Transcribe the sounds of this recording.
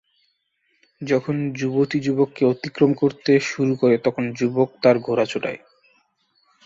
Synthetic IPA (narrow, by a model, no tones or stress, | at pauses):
d͡ʑɔkʰond͡ʑubot̪id͡ʑubokːeot̪ikɾomkoɾt̪eʃuɾukoɾet̪ɔkʰond͡ʑubok̚t̪aɾɡʱoɾat͡ɕʰoʈa̰e